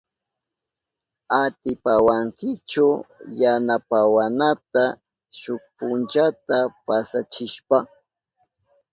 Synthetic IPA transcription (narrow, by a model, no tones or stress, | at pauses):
at̪ɪpawaŋkɪt͡ʃʊjanapawanat̪a | ʃʊk̚pʊnt͡ʃat̪apasat͡ʃɪʃpa